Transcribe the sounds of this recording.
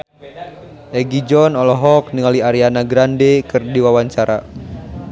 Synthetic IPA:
ʔɛɡid͡ʒɔnɔlɔɦɔk̚niŋaliaɾianaɡɾandɛkɨrdiwawaɲt͡ʃaɾa

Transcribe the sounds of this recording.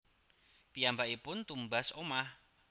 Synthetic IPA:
pijambaʔipʊnt̪umbasomah

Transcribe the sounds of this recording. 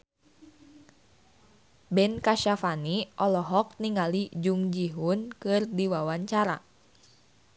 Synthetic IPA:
bɛnkaʃafaniʔɔlɔɦɔk̚niŋalid͡ʒuŋd͡ʒiɦunkɨrdiwawaɲt͡ʃaɾa̰

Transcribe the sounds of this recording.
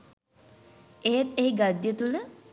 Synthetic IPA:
eɦet̪eɦiɡad̪jət̪ulə

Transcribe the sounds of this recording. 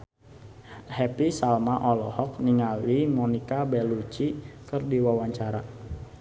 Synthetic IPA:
hɛpisalmaʔɔlɔhɔk̚niŋalwimɔnikabɛlut͡ʃikɨrdiwawaɲt͡ʃaɾa

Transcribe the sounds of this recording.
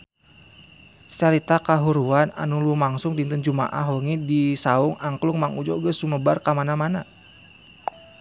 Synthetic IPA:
t͡ʃaɾit̪akaɦuɾuana̰nulumaŋsʊŋdint̪ənd͡ʒuma̰ʔaɦwəŋidisaʊŋaŋkluŋmaŋud͡ʒɔɡəsuməbarkamanamana

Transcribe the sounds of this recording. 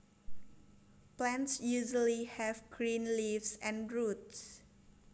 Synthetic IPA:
plɛ̃ntsjuʒəlihɛvɡɹĩnlivsɛ̃nɹut̪s

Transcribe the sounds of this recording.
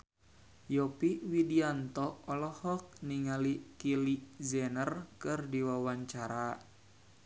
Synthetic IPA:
jɔpiwidiant̪ɔɔlɔhɔk̚niŋalikilizɛnərkɨrdiwawaɲt͡ʃaɾa

